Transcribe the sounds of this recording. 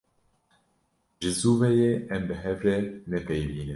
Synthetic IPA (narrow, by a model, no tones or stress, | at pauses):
ʒɨzuːvɛjeːɛmbɨɦɛvɾɛnɛpejviːnɨ